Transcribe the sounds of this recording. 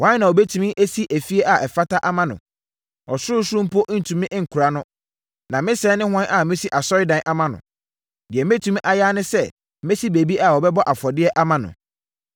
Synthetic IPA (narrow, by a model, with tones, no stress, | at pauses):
wã˦nã˨ɔ˨bɛ˦tʰũ˦mɪ̃˦ʔe˦si˦ʔæ˨fi˦e˦ʔa˨ʔɛ˨fa˦ta˦ʔa˦mã˨nʊ̰̃˨ | ɔ˨sʊ˦ʊ˦sʊ˦ʊ̃˦m̩˦pʰɔ˦ʔn̩˨tʰũ˨mɪ̃˦ʔŋ̩˨kʰu˨ɾa˦nʊ̃˦ | nã˨mɪ̃˦sɛ˨˦nɪ̃˦hʊ˦ã˦nʔa˨mɪ̃˦si˦ʔa˨sɔ˦ɾɪ˦dã˨nʔa˦mã˨nʊ̰̃˨ | dɪ˨ɛ˨m˦ẽ˦tʰũ˦m˦ʔa˨ja˦nɪ̃˦sɛ˦ | mẽ˦si˦be˨bi˦ʔa˨wɔ˨bɛ˦bɔ˦ʔa˨fɔ˨dɪ˦ɛ˦ʔa˦mã˨nʊ̰̃˨